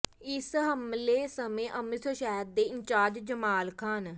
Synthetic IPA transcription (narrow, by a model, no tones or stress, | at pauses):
ɪsɦəmleːsəmẽːʔəmɪt̪ʰəʃɛːd̪̚d̪eːɪɲt͡ʃaːɾd͡ʒd͡ʒəmaːlkʰaːn